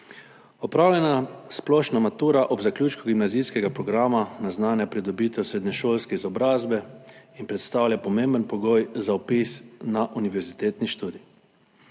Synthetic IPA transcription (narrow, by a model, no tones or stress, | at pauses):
ɔpɾaːwlɛnasplɔʃnamat̪uːɾaʔɔbzaklʲuːt͡ʃkɔɡimnazijskɛɡapɾɔɡɾaːmanaznaːnjapɾid̪ɔbiːt̪ɛwsɾeːd̪nɲɛʃoːlskɛizɔbɾaːzbɛinpɾɛt̪st̪awlʲjapɔmẽmbənpɔɡojzaɔpisnaʔuniʋɛɾzit̪eːt̪niʃt̪uːd̪i